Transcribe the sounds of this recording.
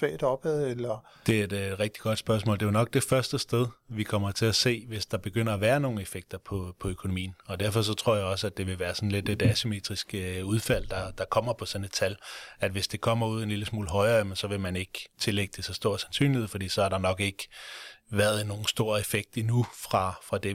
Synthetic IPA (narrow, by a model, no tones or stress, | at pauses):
fɛ̰ːd̥ɒ̽b̥ɛð̩ˠelɐ | d̥e̝æed̥ed̥ʁɛɡ̥̚d̥i̥ɡ̥ɒ̽d̥sb̥ɶɐsmɔ̰̽ːlde̝jonɒ̽ɡ̥̚d̥e̝fɶɐsd̥əsd̥eð̞ˠʋikʰɒ̽m̰ɐt͡sʰe̝læse̝̰ːʋe̝sd̥ɑ̈b̥e̝ɡ̥øn̰ɐːʋæːɐno̝ːn̩efeɡ̥̚d̥ɐpʰɒ̽pʰɒ̽økʰono̝mḭːn̩ɒ̽d̥æɐfɒ̽s̬ɒ̽t͡sʰʁo̝ɐ̰jäɪɒ̽səæd̥e̝ʋe̝ʋæːɐsɒ̽n̩led̥edæsyme̝̰ːd̥ʁisɡ̥əuð̞ˠfæl̰d̥ɑ̈d̥ɑ̈kʰɒ̽m̰ɐpʰɒ̽sɒ̽ne̥t͡sʰælæd̥ʋe̝sd̥e̝kʰɒ̽m̰ɐuð̞̰ˠenliləsmṵːləɦɒ̽ɪɐːæmensɒ̽ʋe̝mæne̝ɡ̥t͡sʰe̝leɡ̥əd̥e̝sɒsd̥o̝ɐ̰̥sænsy̰ːnlihe̝ðˠfɒ̽d̥ḭːsɒ̽æɐɾɑ̈nɒ̽ɡ̥e̝ɡ̥ʋæɐðˠno̝ːn̩sd̥o̝ːɐefeɡ̥̚d̥inufʁɑ̈fʁɑ̈d̥e